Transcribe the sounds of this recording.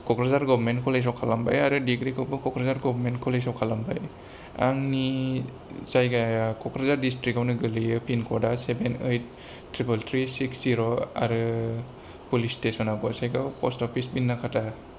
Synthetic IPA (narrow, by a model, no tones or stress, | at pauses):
kɔkɾazaɾɡɔbɾmentkʰɔles̬ɔwkʰalambajaɾɯdiɡɾikʰɔbɯkʰɔkɾazaɾɡɔbʱɾmentkʰɔlesɔwkʰalamba̰j | a̰ŋni | z̥ajɡaakɔkɾazaɾdistɾikawnɯɡɯlɯjɯpinkʰɔɾdasebenejt̚ː | ɾibɔltɾisiksziɾɔa̰ɾɯ | pulistesɔnaɡɔsajɡapɔstɔpʰisbinːakʰata